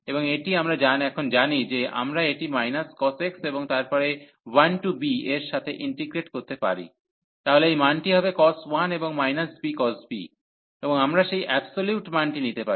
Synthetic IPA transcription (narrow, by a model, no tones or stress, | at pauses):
eboŋeʈiamɾad͡ʑanɛkʰond͡ʑanid͡ʑeʔa̰mɾaeʈimajnaskɔsekseboŋt̪aɾpɔɾe | wanʈubieɾʃat̪ʰeʔiɳʈiɡɾeʈkoɾt̪epa̰ɾḭ | t̪aɦoleejmanʈiɦɔbekɔswaneboŋmajnasbikɔsbḭ | eboŋamɾaʃejʔɛbsoljuʈmanʈinit̪epai